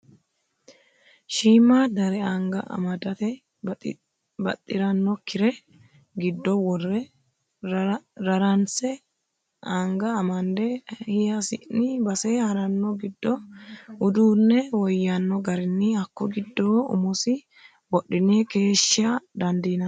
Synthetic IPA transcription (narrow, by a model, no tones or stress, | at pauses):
ʃiːmaːd̪ɐɾɛaŋɡɐʔɐ̰mɐd̪ɐt̪ɛ | bɐ̰t̪ʼːɪɾɐnːɔkʰːɪɾɛ | ɡɪd̪ːɔwɔrːɛ | ɾɐɾɐnsɛ | aːŋɡɐːmɐnd̪ɛhɪjɐsɪ̰ʔnɪbɐseːhɐɾɐnːɔɡɪd̪ːɔʊd̪uːnːɛwɔjːanːɔɡɐɾɪnːɪɐkːɔɡɪd̪ːoːʊ̰mɔsɪ | wɔɗːɪneːke̞ːʃːɪɐd̪ɐnd̪iːnɐ